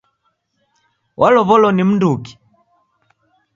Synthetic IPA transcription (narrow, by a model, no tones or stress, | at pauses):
wʔalɔβɔlɔnim̩nduki̥